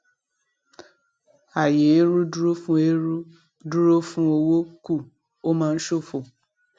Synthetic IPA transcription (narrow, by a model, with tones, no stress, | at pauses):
a˨je˨e˦ɾu˦du˦ɾo˦fũ˦e˦ɾu˦ | du˦ɾo˦fũ˦o˧wo˦ku˦˨ | o˦mã˦n̩˦ʃo˦fo˨